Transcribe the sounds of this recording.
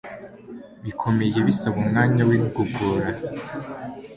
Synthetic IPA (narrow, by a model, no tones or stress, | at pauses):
βikʰo̞me̞je̞βisaβumŋaːɲawiɡuɡoɾa